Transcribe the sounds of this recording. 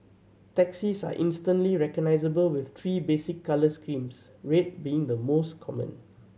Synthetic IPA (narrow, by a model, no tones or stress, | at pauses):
tɛksisa̰ʔɪ̃nstə̃ntliɹɛkɔɡ̚naɪzəbəlwɪft̪ʰɹiːbesɪkːaləskɹĩms | ɹet̚biɪ̃ŋd̪əmoskʰɔmə̰̃n